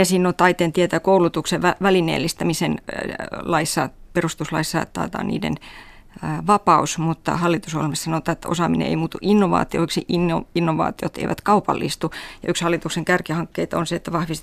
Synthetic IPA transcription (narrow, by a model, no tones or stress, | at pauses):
jɑsiːnːot̪ɑit̪eːnt̪iet̪ækoulut̪ukseʋʋæʋælinḛːlːist̪æmisen | lɑisːɑ̰perust̪uslɑ̰isːɑ̰t̪ɑ̰ːt̪ɑ̰ːnḭːdḛn | ʋɑpɑusmut̪ːɑ̰hɑlːit̪usolmessɑnoˑt̪ˑɑːet̪ːæo̰sɑːminḛḛimuːt̪uʔinːoʋɑ̰ːt̪io̰oksiʔinːoinːoʋɑ̰ːt̪iot̪ḛiʋʔæ̰t̪kɑupɑ̰lːḭst̪ujɑykshɑlːˑit̪ukseŋkærkihɑŋkːeit̪onseet̪ːæʋɑhʋis